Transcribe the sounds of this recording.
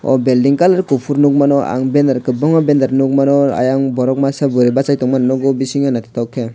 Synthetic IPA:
ɔ̰bɛldiŋkalaɾkufuɾnuk̚manɔa̰ŋbɛndaɾkəbɔŋɔbɛndaɾnukmanɔa̰jaŋbɔɾɔk̚masabuɾibasajtɔŋmananɔɡobisiŋanat̪i̥take

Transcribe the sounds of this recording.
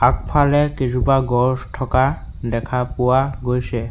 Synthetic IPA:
ak̚pʰalɛkid͡ʑubaɡɔsʈʰɔka | dɛkʰapɔaɡojsɛ

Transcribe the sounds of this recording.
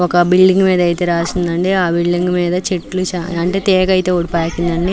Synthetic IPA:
ɔkɐbilɖiŋɡmiːd̪ɐjt̪eːɾaːsind̪ɐɳɖeaːbilɖiŋɡmiːd̪ɐt͡ʃeʈːlut͡ʃaɐɳʈeːt̪ɛːkɐjt̪e̞ːoɽipaːkːind̪ɐɳɖi

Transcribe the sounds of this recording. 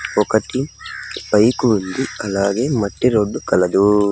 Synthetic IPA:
pokɐʈːimpɐjkuund̪iɐlaːɡeːmɐʈːiɾoɖːukɐlɐd̪u

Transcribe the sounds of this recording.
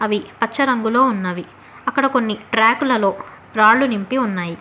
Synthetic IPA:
ɐʋipɐt͡ʃːɐɾɐŋɡulo̞ːunːɐʋi | ɐkːɐɽɐko̞nːiʈɾaːkulɐlo̞ː | ɾaːɭːunimpiunːaːji

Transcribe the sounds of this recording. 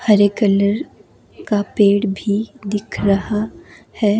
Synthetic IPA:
hɐɾekələɾ | kapeːɽbʱid̪ɪkʰɾɐɦa | hɛː

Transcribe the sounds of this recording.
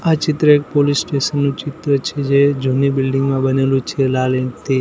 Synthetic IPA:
at͡ʃɪt̪ɾəek̚polisːʈesənːũt͡ʃɪt̪ɾət͡ʃʰed͡ʒed͡ʒunibɪlɖɪŋɡmãbənelũt͡ʃʰelaleɳt̪e

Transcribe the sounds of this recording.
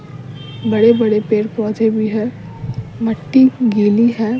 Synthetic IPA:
bɐɽebɐɽepeːɾpɔːd͡ʒebʱiɦɛː | məʈːiɡiːliɦɛː

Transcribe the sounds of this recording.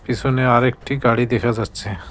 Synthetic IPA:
pisʰoneaɾek̚ʈiɡaɽid̪ekʰad͡ʑatːɕʰe

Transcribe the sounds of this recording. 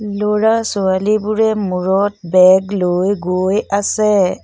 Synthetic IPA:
loɹasʊalibʊɹɛmuɹɔt̚bɛɡlojɡojasɛ

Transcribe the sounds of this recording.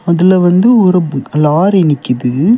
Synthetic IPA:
ɐðɯlɐʋɐnd̪ɯʊɾɐbɯklaːɾɪnɪkːɯðɯ

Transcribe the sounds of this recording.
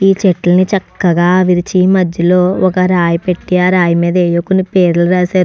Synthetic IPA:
iːt͡ʃeʈlɐnit͡ʃɐkːɐɡaːʋiɾit͡ʃimɐd̪jɐlo̞ːɔkɐɾaːjipeʈːiaɾaːjɐmiːd̪ɐeːjokːunipeːɾuluɾaːsaːɾu

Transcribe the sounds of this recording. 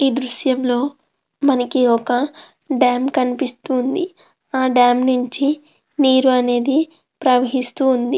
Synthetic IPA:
iːd̪ɾuʃjɐmlo̞ː | mɐnɐkiɔkɐ | ɖaːmkɐnipist̪uːnd̪i | aːɖaːmnuɲt͡ʃi | niːɾuɐne̞ːd̪i | pɾɐʋɐɦist̪uːnd̪i

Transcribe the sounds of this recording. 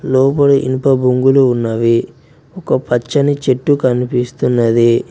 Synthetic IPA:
lɔːpɐɽuʔḭnpɐbʱuŋɡuluːnːɐʋi | ɔkɐpɐt͡ʃːɐnit͡ʃeʈːukɐnipist̪unːɐd̪i

